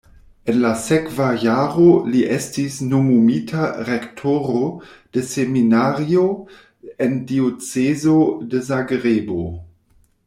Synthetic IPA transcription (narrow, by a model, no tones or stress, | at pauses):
enlasekvajaɾoliʔestisnomumitʰaɾektʰoɾod̥eseminaɾio | endiot͡sezodezaɡɾebo